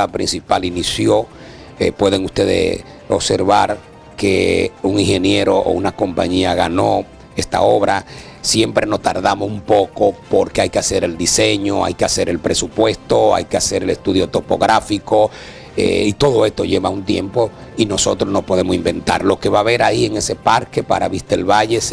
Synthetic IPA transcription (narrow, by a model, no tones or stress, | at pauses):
pɾinsipalinisjo̞ | epwe̞ð̞eŋust̪e̞ðḛs | oβse̞ɾβaɾ | kḛuŋiŋhe̞nje̞ɾo̞ʔo̰unako̞mpa̰ɲiaɣano̞ | e̞st̪a̰o̞βɾa | sje̞mpɾe̞no̞st̪a̰ɾðamosumpo̞ko̞po̞ɾkeajkease̞ɾe̞ld̪ise̞ɲo̞a̰jkease̞ɾe̞lpɾe̞supwe̞st̪oa̰jkease̞ɾe̞lest̪uðjot̪o̞po̞ɣɾafiko̞ | ḛit̪oðo̞e̞st̪o̞ʝe̞βaunt̪je̞̰mpo̞ | ino̞so̞t̪ɾosno̞po̞ðemosimbe̞nt̪a̰ɾlo̞ke̞βaβe̞ɾaie̞ŋe̞se̞paɾke̞pa̰ɾa̰βist̪elβaʝe̞s